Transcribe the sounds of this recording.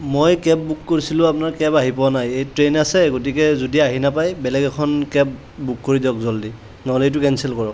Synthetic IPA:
mojkɛp̚bukːoɹisilʊ̃apʊnaɹkɛpaɦipɔwanajejtɹenasɛɡotikɛzodiaɦinapajbɛlɛɡɛkʰɔnkɛp̚ | bukːoɹidɔk̚zoldi | nɔlet̬ʊkɛnsɛlkɔɹɔk̚

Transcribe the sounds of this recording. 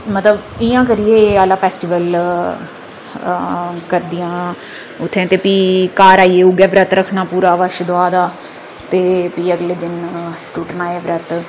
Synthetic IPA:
mət̪ləbɪjãːk̬əɾieːaːlaːpʰɛːsʈiːʋəl | kəɾd̪ijãː | ʊt̪ʰːɛ̃ːt̪eːpiːkaːɾaːiːeːuɡɛːʋɾət̪ɾəkʰːnaːpuːɾaːʋəʃd̪oaːd̪aː | t̪eːpiːəɡleːd̪ɪnʈʊʈnaːeːʋɾət̪

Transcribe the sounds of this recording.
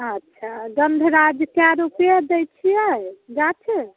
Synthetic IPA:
ətːʃʰaɡənd̪ʱɾad͡ʒkaɾupjed̪ɛjt͡ʃʰijɛd͡ʒat͡ʃʰe

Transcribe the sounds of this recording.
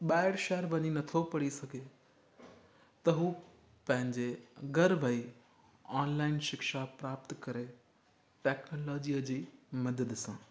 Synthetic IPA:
ɓaːɪɽʃɛːəɾʋɐɲinɐt̪ʰopɐɽisɐɡʱe | t̪ɐɦuː | pɐ̃ɦɪ̃ɲd͡ʑeɡɐɾʋʱəi | aːnlaːɪnʃɪkʃapɾaːp̚t̪kɐɾe | ʈɛːknoːlɔːd͡ʑiəd͡ʑiːmɐd̪əd̪sãː

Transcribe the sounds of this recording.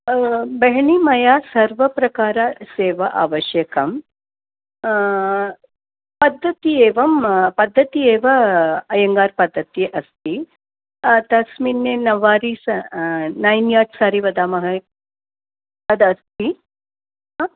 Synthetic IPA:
bɐɦɳimɐjaːsɐɾʋɐpɾɐkaːɾɐseːʋɐʔa̰ːʋɐʃjɐkɐm | pɐd̪ʱːɐt̪ieːʋɐmpɐd̪ʱːɐt̪ieːʋɐɐjɐŋɡaːɾpɐd̪ʱːɐt̪jeʔɐst̪ʰi | t̪ɐsminːenɐʋaːɾis | naːjnjaːʈsaːɾiʋɐd̪aːmɐɦɐ | ɐd̪ɐst̪ʰi

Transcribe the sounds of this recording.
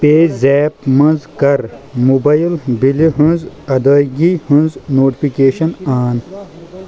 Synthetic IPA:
peːzɛːpmɐ̃nzkɐɾmubɐjilbiliɦũnzɐd̪aːɡihũnznoːʈipikeːɕɐnaːn

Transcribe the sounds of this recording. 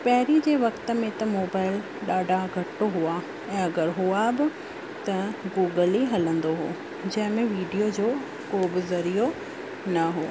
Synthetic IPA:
pɐɦɪɾid͡ʑeːʋɐkt̪ə̆mẽt̪ɐmoːbaːɪl | ɗaːɖʱaɡʱɐʈːoɦua | ɛ̃ːɐɡəɾɦuabɪ | t̪ɐɡuːɡəliɦɐlə̃nd̪oɦoː | d͡ʑɐ̃ɦɪ̃mẽʋiːɖijod͡ʑoː | koːbɪzɐɾijo | nɐɦoː

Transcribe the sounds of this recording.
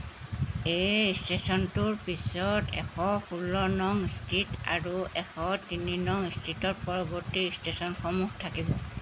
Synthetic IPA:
ejstesɔntuɹpisɔtɛ̰xʰɔpulɔnɔŋstʰita̰ɹuɛxɔtininɔŋistʰitɔt̚pɔɹɔbɔɹtistesɔnxɔmuhtʰakibɔ

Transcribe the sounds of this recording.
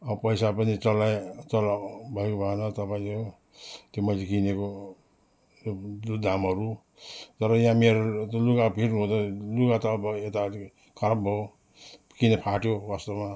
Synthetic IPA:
ʌbʌpʌjsapʌnit͡sʌlaet͡sʌlabʱʌekobʱʌenʌt̪ʌpaĩto | t̪jomʌt͡sʰikineko | joud̪ʱamɦʌɾu | t̪ʌɾʌjãmeɾot̪olukapʰirnuɦõt̪ʌlukat̪ʌbet̪a | kʰʌɾabbʱo | kinepʰaʈjowast̪oma

